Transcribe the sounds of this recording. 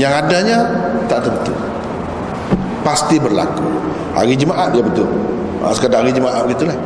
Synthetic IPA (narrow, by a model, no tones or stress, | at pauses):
jaŋadaɲat̪aʔt̪ubət̪ṵ | past̪ibərla̰ku | ha̰ɾid͡ʒəmaʔat̪̚diabət̪ʊl | ʔa̰sə̥kədaaɾid͡ʒəmaʔat̪̚bəɡit̪ulah